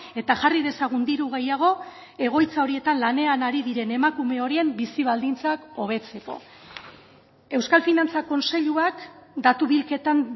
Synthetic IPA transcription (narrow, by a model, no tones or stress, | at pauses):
e̞t̪aʝarið̞e̞saɣ̞und̪iɾuɣ̞e̞jaɣ̞o̞ | e̞ɣ̞o̞jt͡sao̞ɾie̞t̪anlane̞anaɾiðiɾe̞ne̞makume̞o̞ɾie̞mbisiβ̞ald̪int͡sako̞β̞e̞t͡se̞ko̞̰ | e̞wskalfinant͡sako̞nse̞ʎuakd̪at̪uβilke̞t̪an